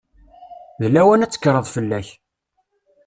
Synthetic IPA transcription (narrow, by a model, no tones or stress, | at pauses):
ðəlːæwænæt͡sːə̥kːɾˤəðˤfəlːæç